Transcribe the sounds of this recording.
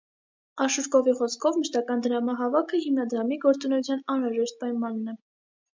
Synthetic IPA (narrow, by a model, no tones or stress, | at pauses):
ɑʃuɾkɔviχɔskʰɔvməʃt̪ɑkɑnd̪əɾɑmɑɦɑvɑkʰəhimnɑd̪ɾɑmiɡɔɾt͡sunɛjut͡sʰjɑnɑnɾɑʒɛʃt̪̚pɑjmɑnːɛ